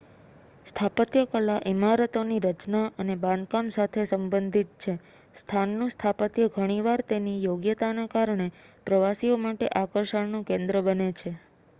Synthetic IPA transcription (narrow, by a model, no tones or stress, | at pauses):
st̪ʰapət̪jəkəlaʔimaɾət̪oniɾət͡ʃnaʔənebãnd̪̚kamsat̪ʰesəmbənd̪ʱit̪̚t͡ʃʰe | st̪ʰanːũst̪ʰapət̪jəɡʱəɽ̃iʋaɾt̪enijoɡjət̪anakaɾɳepɾəʋasiomaʈeʔakəɾʃəɳnũkẽnd̪ɾəbənet͡ʃʰe